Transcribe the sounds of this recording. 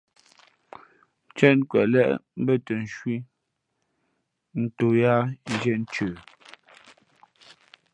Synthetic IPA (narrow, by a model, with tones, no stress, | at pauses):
t͡ʃɛ˦˨nkwɛ̰˨ʔlɛ˦ʔm̩˦bə˦tə˨n˨ʃwi˦ | n̩˨to˨ja˦d͡ʒɛ˦˨n̩˦t͡ʃʉː˨